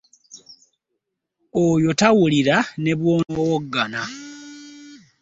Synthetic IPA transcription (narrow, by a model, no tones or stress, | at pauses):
ojo̞tawuliɾane̞βwo̞ːnowoɡːana